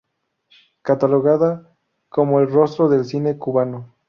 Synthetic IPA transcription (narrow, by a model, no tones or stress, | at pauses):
kat̪aloɣaða | ko̞moelro̞st̪ɾoðelsinekuβano